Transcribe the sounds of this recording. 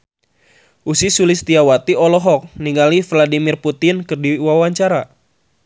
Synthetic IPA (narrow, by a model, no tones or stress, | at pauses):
ʔusisulist̪iawat̪iɔlɔɦɔk̚niŋɡalifladimɪrput̪ɪnkɨrdiwawaɲt͡ʃaɾa